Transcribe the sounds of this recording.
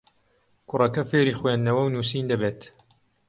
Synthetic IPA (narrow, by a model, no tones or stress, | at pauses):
kʰʊrɐkɐfeːɾiːxweːnd̪nɐwɐwnuːsiːnd̪ɐbeːt̪